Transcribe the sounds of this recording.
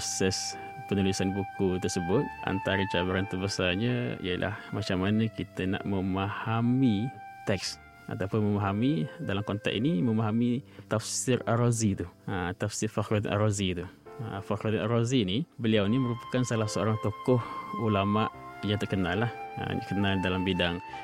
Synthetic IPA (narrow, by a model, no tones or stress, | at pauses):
psɛs | pənulisanbukut̪ərsəbʊt̪̚ʔa̰nt̪aɾət͡ʃabaɾant̪ubasaɲəḭjə̰lʔa̰hmat͡ʃamːanəkit̪əna̰ʔməmahamit̪ɛk̚s | ʔa̰t̪awpʊnməmaɦamidalamkɔnt̪a̰k̚iniməmaɦamit̪afsɪraɾozit̪uət̪afsɪrfakɾat̪na̰ɾozit̪uə̰fakɾut̪naɾozinibəliawniməɾupḁkansalahsəo̰ɾaŋt̪okɔhulamaʔ | jaŋt̪ərkənalːahə̰kənaldalambidaŋ